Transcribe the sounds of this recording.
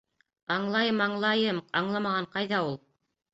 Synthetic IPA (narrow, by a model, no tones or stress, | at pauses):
ɑɴlˠɑjɤmɑɴlˠɑjɤmɑɴlˠɑmɑʁɑɴqɑjðɑulˠ